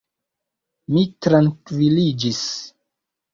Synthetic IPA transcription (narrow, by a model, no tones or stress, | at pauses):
mitɾaŋkvilid͡ʒis